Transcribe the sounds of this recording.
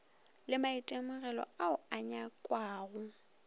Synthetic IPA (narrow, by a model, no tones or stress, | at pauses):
lɪmaitʼemʊɣɛlɔ̰aʊaɲakʼwaːɣʊ